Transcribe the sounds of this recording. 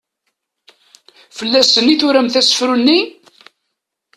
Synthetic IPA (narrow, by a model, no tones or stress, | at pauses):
fəlːæsənːiθʊɾæmθæsə̥fɾunːi